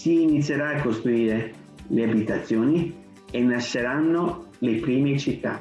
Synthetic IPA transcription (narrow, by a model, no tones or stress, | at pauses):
siːnit̪sːjeɾaːkːost̪ɾuiːɾe | leabit̪at̪sːjoːni | enːaʃːeɾanːolepɾiːmet͡ʃit̪ːa̰